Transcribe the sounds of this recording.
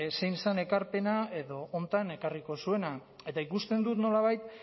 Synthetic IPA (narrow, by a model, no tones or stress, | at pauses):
se̞jnsane̞kaɾpe̞nae̞ðo̞ʔont̪ane̞kariko̞sue̞na | e̞t̪aikust̪e̞nd̪ut̪no̞laβ̞ajt̪